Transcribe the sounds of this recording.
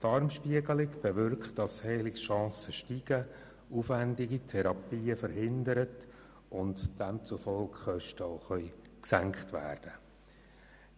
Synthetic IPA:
tɑɾmʃpiəɡəlɪkb̥eʋʏrktd̥ɑshɛːlɪkʃɑ̃ːsəʃtiɡ̥ə | ufʋændiɡitʰɛɾɑpiːəfəɾɦɪndəɾət | ʔʊntd̥ɛmt͡sufɔlkχœʃtəoʊχœʏ | ksæŋkχtʋæ̰ːrd̥ə

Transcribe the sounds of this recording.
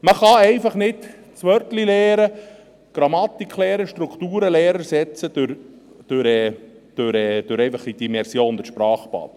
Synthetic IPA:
məχɑɛɪfɑχnɪt | t͡sʋœɾt̪lilɛːɾə | ɡ̥ɾɑmɑt̪ikχlɛːɾəʃtɾukʰt̪uːɾəlɛːɾəɾsɛt͡səd̥øɾ | d̥øɾɛː | d̪̥øɾɛd̥øɾɛɪfɑχid̥̪imɛɾsjoːnd̥̪əʃpɾɑːχpɑ̰ːt̪

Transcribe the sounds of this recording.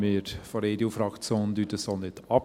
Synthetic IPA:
mɪːɾfɔɾeːdeufɾɑkt͡sjoːnd̪ytəsonɪtɑp

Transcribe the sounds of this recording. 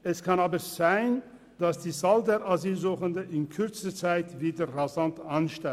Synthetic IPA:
ʔɛskʰanaːbəz̥aɪn | d̥asd̥iːzaldeʁaziːlzuːχəndəʔɪnkʰʏʁt͡stət͡saɪtviːdəʁazantanʃta

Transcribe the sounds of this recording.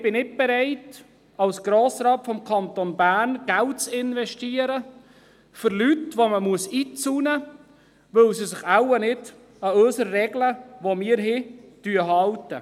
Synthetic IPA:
b̥ɪnɪt̚bɛɾɛɪt | ɑlsɡ̥ɾoːsɾɑːtfɔmkʰɑnt̪onbæːnɡ̥æltt͡sɪnvɛʃtiəɾə | fʏɾlytʋoməmuəsiːt͡sunə | ʋɵlsisɪχawənɪd | ɑøːsəɾːɛɡləʋomɪːɾɦɪtyəɦɑltə̰

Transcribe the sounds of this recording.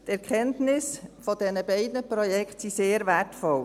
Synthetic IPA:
tɛɾkʰɛntnɪsfɔd̥ɛnəbɛɪdnəpɾɔjɛkχtsiseːɾvætfɔl

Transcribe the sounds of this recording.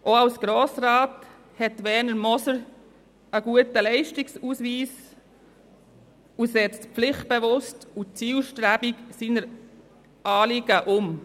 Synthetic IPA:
ʔoawsɡ̥ɾoːsɾɑːt | hɛtːʋɛnəɾmɔsəɾ | əɡ̥uətəlɛɪʃtiksusʋiːs | usɛt͡stpflɪχt̚b̥eʋʊstut͡siːlʃtɾæb̥iksiːnəɾ | ʔɑːlɪɡ̥əʔʊm

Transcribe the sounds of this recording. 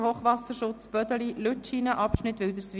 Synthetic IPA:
hoːχʋɑsəɾʃʊt͡sb̥œd̪əliløtt͡ʃiːnəʔɑpʃnɪt̪ːʋɪld̪əɾsʋ

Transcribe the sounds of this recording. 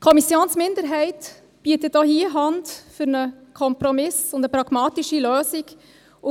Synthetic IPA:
kʰɔmisjoːnsmɪndəɾɦɛɪt | b̥iətəd̥oːhiːəɦɑndfʏɾnəkʰɔmpɾɔmɪsʊndəpɾɑɡ̥mɑːtiʃiløːsik | ʊ

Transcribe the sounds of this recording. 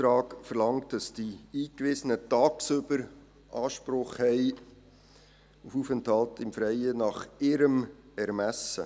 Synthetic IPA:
tɾɑːkfəɾlɑŋt̚d̥ɑsd̥iiːkvɪsənətɑːksøbəɾ | ʔɑːʃpɾʊχhɛɪ | ufufənthɑltɪmfɾɛɪənɑχɪɾəm | ɛɾmæsə̰

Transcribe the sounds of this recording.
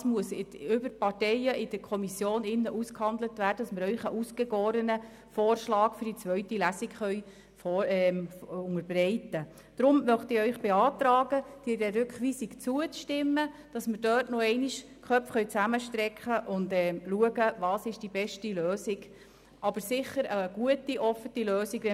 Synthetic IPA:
smuəsɪʏbəɾpɑrtɛjəʔɪd̥əɾkʰɔmisjoːnɪnːəʔuskhɑndlətvæːɾd̥əd̥ɑsməɾœɥχəʔusɡ̥eɡoːɾənə | foːrʃlɑːkfʏɾdit͡sʋœɥtilæsɪkχœʏ | fɔɛʊŋəɾb̥rɛɪtə | d̥ɾʊmmœχtɪœʏχb̥ɛɑːt̪ɾɑːɡəd̥iːdɛɾʏkχʋiːsikt͡suət͡sʃtɪmːəd̥ɑsməɾdøːtnoɛɪniʃ | kʰχœpfχœɥt͡sæməʃtɾɛkχəʔʊndɛːluəɡəʋɑːsɪʃd̥ibɛʃtiløːsɪɡ | ʔɑb̥əɾsɪχəɾəɡ̥uətiʔɔfətiløːsiɡʋɛ

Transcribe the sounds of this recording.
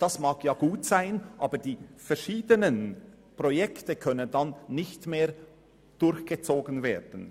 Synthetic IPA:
d̥asmaːkʰjaːɡ̥uːtsaɪnʔaːbəd̥iːfɛɾʃiːdənən | pʁojɛktəkʰœnəndanːɪçtmeː | d̥ʊɾçɡ̥ət͡soːɡənveːd̥n̩

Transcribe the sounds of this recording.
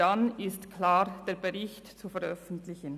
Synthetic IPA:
anɪstkʰlaːɾd̥eːɐbeʁɪçtt͡sufɛɾœfən̩tlɪçən

